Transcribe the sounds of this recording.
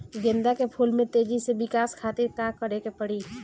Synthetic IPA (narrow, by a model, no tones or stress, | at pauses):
ɡẽnd̪akepʰulmẽt̪eːd͡ʒisebɪkaːskʰaːt̪ɪɾkaːkːəɾekepəɽi